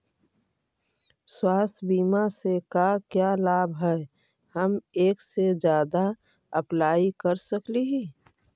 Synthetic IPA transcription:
swaːst̪ʰbiːmasekakjalaːbɦɛe | həmeːksed͡ʒjaːd̪a | əplaːikəɾsəkliɦi

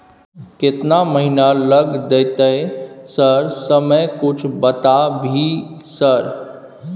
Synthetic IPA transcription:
kɪt̪naməɦinaləɡd̪eːt̪əesəɾsəməjkʊt͡ʃʰbət̪abʱisəɾ

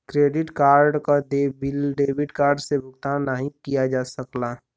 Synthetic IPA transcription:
kɾeːɖɪʈkaːɾɖkad̪ebɪlɖeːbɪɖkaːɾɖsebʱʊɡt̪anːəɦĩkijad͡ʒaːsəkla

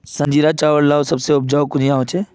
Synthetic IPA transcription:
sɐ̃nd͡ʒiːɾat͡ʃaːʋəɽlaːosɐbseʊp̚d͡ʒaːokʊnijaːɦot͡ʃʰeː

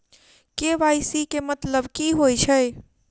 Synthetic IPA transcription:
keʋajsikemət̪ləbkiɦojt͡ʃʰəj

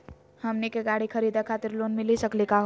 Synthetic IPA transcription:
həmnikeɡaɽikʰəɾid̪akʰat̪iɾlonmilisəklikaɦ

